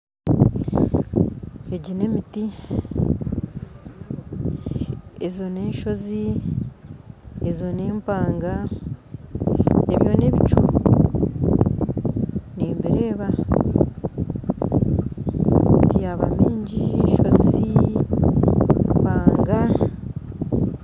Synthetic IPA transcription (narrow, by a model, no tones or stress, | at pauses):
eɟine̞miti | ezo̞neːʃo̞zi | ezo̞neːmpaːŋɡa | eβjo̞ne̞βit͡ʃṵ | niːmbiɾe̞ːβa | itijaβa̰miːɲɟieʃo̞zi | mpaːŋɡa